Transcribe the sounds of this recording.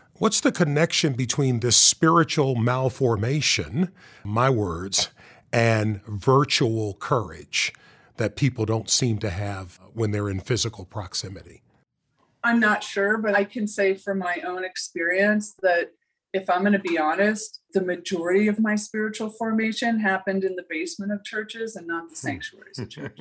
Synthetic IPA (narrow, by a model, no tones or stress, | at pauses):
wʌtsðɨkʰɨnɛkʃɨ̃nbɨtʰw̥ĩnðɪspɪɹɨt͡ʃul̩ˠmælˠfɔɹmeɪʃɨ̰̃n | maɪwɜ˞dz̥ | ɨ̃nvɜ˞t͡ʃul̩ˠkʰɜ˞ɪ̰d̥d͡ʒ | ðɨt̚pʰipl̩ˠdõʊ̃ntsĩmtɨɨv̥wə̃nðə˞ɨ̃nfɪzɨkl̩ˠpʰɹ̥ɑksɪmɨɾḭ | ãɪ̃mnətʃʊɹbʌɾaɪkʰɨ̃nseɪfə˞maɪʔõʊ̃nɨkspɪɹiɨ̃nsðɨɾ | ɨfãɪ̃mɡʌnɨbiɑnɨst̪̚ðɨmɨd͡ʒɔɹɨɾiʌvmaɪspɪɹɨt͡ʃul̩ˠfɔɹmeɪʃɨ̃nɦæpɨ̃ndɨ̃nðɨbeɪsmɨ̃ɾ̃ʌv̥t͡ʃʰɜ˞t͡ʃɪzɨ̃nːəðəsæ̃ŋk̚t͡ʃuɛ̰ɹizʌv̥t͡ʃʰɜ̰˞t͡ʃ